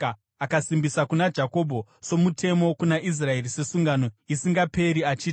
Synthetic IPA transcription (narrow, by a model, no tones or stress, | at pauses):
akasimbisakunad͡ʒako̞bʱo̞so̞mutʰe̞mo̞kunaʔis̬rae̞rise̞suŋɡano̞isiŋɡape̞ɾiat͡ʃiːti